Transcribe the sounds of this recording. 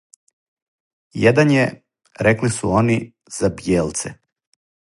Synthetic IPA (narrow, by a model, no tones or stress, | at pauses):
jed̪anje | ɾeklisuo̞ni | z̥abjeːlt̪sḛ